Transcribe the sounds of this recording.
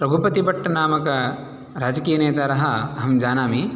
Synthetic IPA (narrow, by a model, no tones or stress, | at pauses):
pɾɐbʱupɐt̪ibɐʈʰːɐnaːmɐkɐ | ɾaːd͡ʒɐkiːjɐneːt̪aːɾɐɦɐɐɦɐmd͡ʒaːnaːmi